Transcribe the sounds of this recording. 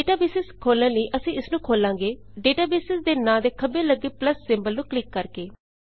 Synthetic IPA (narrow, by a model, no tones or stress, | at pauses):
eːʈaːbeːsɪskʰoːlnə̃ːləiːʔəsĩːɪsnũːkʰoːlãːŋɡeːɖeːʈaːbeːsɪsd̪eːnãːd̪eːkʰəbẽːləɡːeːpləsːɪmbəlnũːklɪkːəɾkeː